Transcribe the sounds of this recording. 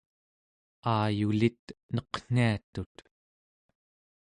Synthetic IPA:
aːjulit̪̚nʌqn̥iat̪ut̪

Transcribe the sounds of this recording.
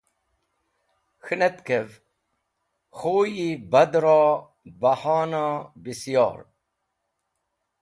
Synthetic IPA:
xɨnet̪kev | xoːjibɐd̪ɾɑ | bɐhɑːnɑbisjɑ̰ːɾ

